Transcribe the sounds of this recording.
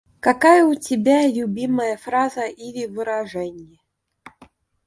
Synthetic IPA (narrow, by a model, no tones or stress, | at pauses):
kakajəʊtʲɪbʲalʲʊbʲiməjəfɾazəʔilʲɪvɨɾaʐɛnʲɪjə